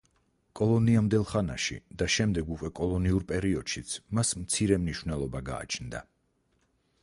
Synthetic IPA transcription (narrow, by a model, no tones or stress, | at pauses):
kʼɔlˠɔniamd̪ɛlˠχanaʃḭd̪aʃɛmd̪ɛɡukʼwɛkʼɔlˠɔniuɾpʼɛɾiɔd̪̥ʃit̪sʰmasmt̪sʰiɾɛmniʃwnɛlˠɔbaɡa̰ːt͡ʃʰnd̪a